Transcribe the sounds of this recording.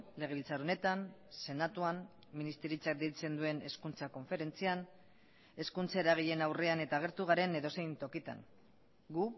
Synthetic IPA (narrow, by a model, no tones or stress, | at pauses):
le̞ɣ̞e̞βilt͡saɾone̞t̪anse̞nat̪uan | minist̪eɾit͡sak̚d̪ejt͡se̞nd̪ue̞ne̞skunt͡sako̞ɱfe̞ɾe̞nt͡sian | e̞skunt͡saeɾaɣ̞eʎe̞nawre̞ane̞t̪aːɣ̞e̞ɾt̪uɣaɾe̞neðo̞se̞jnt̪o̞kit̪a̰ŋ | ɡu